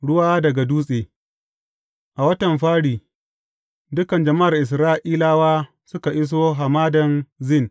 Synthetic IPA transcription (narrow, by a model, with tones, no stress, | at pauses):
ɽʊ˦waː˦dɐ˨ɡa˨duː˦sʼeː˨ | ʔa˨wɐ˦tɐ˨mɸaː˦ɽiː˨ | dʊ˦kɐ˨nd͡ʒɐ˨ma˦ʔa˨rʔɪ˨s̬ɾaː˦ʔiː˦laː˦waː˦ | sʊ˦ka˨ʔɪ˦s̬oː˦ɦa˨maː˦dɐ˨nzɪ˦˨n